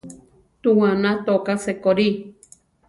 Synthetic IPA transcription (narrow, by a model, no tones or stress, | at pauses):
t̪uwãnãt̪okasekoɾi